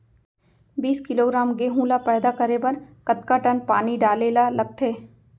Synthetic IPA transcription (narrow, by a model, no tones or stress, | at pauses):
biːskɪloːɡɾaːmɡeɦũːlapɛːd̪akɐɾebɐɾkɐt̪kaʈɐnpaːniɖaːleːlalɐɡ̚t̪ʰeː